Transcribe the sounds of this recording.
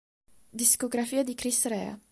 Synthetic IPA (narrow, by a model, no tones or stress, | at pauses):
d̪iskoɡɾafiːad̪ikɾisrɛa̰